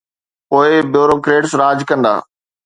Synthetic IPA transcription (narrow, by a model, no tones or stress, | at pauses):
poːɪbjoːɾoːkɾeːʈsɾaːd͡ʑkɐ̃nd̪a̰ː